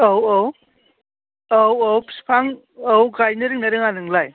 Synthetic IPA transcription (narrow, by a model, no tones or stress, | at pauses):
owow | awowpspʰaŋ | ɔwɡajnɯɾɯŋnɐɾɯŋanɯŋlaj